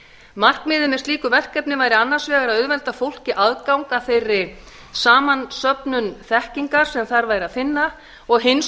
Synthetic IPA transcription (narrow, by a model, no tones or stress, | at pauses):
mar̥kmɪːðʏmɛst̪liːkʏvɛr̥kɛpnɪvajɾɪanːaɾ̥svɛːɣaɾaðʏðvɛlt̪afowl̥cɪʔaðkawŋkaθejrːɪ | saːmansœpnʏnθɛhciŋkaɾ̥sɛmθaɾvaːjɾɪaðfɪnːa | ɔɣɦɪns